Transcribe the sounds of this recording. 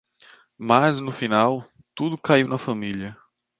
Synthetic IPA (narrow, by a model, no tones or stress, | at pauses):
maznʊfinaw | t̪ud̪ʊkaiwnɐfɐmiljɐ